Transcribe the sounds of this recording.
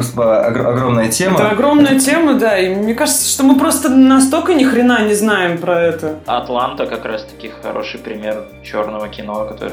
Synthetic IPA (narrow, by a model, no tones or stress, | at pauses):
spəɐ̰ɡɐɡɾo̞mnəjətʲeməɐɡɾo̞mnəjətʲe̞mʊd̪ainʲekaʐɨt̪sə̥ʂt̪o̞mɨpɾo̞st̪ənɐst̪olʲkənʲɪxɾʲɪnanʲɪznajɪmpɾɐɛt̪əɐ̰t̪lˠant̪əkɐkɾast̪ɐ̥kʲixɐ̰ɾʔo̞̰ʂɨjpɾʲɪmʲe̞r | t͡ɕo̞̰rnəvəkʲɪno̞kɐt̪o̰ɾɨ